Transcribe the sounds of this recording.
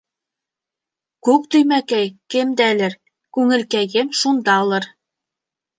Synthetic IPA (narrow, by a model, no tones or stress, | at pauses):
kʉk̚t̪ɵ̆jmækæjkɘ̆md̪ælɘɾ | kʉŋɘ̆lkæjɡemʃund̪ɑŏlˠɤɾ